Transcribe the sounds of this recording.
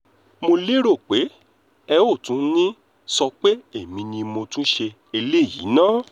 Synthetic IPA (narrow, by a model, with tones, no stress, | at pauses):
mo˧le˦ɾo˦˨k͡pe˨˦ | ɛ˧o˦˨tũ˨˦nĩ˦ | sɔ˧k͡pe˦e˦˨mĩ˧nĩ˧mõ˧tũ˦ʃe˧ | e˧le˦˨jḭ˨˦nãː˦˨